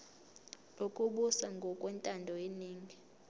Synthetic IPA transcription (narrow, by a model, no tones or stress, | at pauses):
lokʼuɓusaŋɡʱɔkʼwɛntʼandʱɔjeniːŋɡʱi